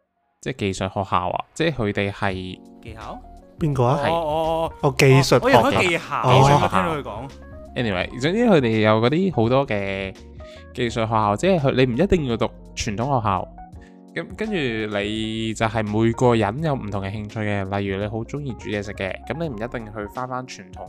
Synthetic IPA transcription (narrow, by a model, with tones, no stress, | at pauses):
t͡sɛː˥˩ke˨jsɵ˨t̚hɔː˨˩k̚ha̰ː˨wʔɐ̰˨t͡sɛː˥˩kɵ˨˧t̪e˨jhɐ˨j | ke˧jhaː˨˥wpiː˧nkɔː˧a˦˥hɐ˨jːɔ˨˧ke˨jsə˨t̚ːjɔ˧ɔ˨˥˨e˧jhaː˨e˧˨ɔ˨haː˥o˨˧hːkɔ̰ː˨˥ŋ | ʔɛː˥ni˨wḛ˨˩jt͡sʊ˧˥ŋt͡siː˥kʰɵ˧ɥt̪e˨˩jjɐ˨˧wkɔː˨˧˥t̪iː˥ho˨˥wt̪ɔː˥kɛː˧ | ke˧jsɵ˨t̚ɦɔː˨k̚haː˨wt͡sɛː˥˨ɦɵ˧le˨˧m̩˨˩jɐ˥t̚t̪ɪ˨ŋjiː˧wt̪ʊ˨k̚t͡ʃʰyː˨˩nt̪ʰʊ˨˥ŋhɔː˨˩ɦa̰ː˨˧w | kɐ˨˥mkɐ˥nt͡ʃyː˨˩le˨˧jt͡sɐ˨wɦɐ˨jmuː˨˧jkɔː˧jɐ˨˥njɐ˨˧wm̩˨˩t̪ʰʊ˨˩ŋkɛ˧hɪ˧ŋt͡ʃʰɵ˧jkɛː˧lɐ˨jːyː˨˩le˨˧ɦo˨˥wt͡sʊ˥ŋjiː˧t͡ʃyː˨˥jɛː˧˩sɪ˨kːɛ̰ː˧kɐ˨˥mle˨˧jm̩˨˩jɐ˥t̚t̪ɪ˨ŋɦɵ˧ɥfaː˥nfaː˥nt͡ʃʰyː˨˩nt̪ʰʊ˨˩ŋ